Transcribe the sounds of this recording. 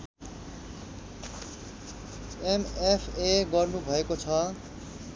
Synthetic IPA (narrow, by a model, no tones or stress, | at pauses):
emepʰeɡʌrnubʱʌekot͡sʰʌ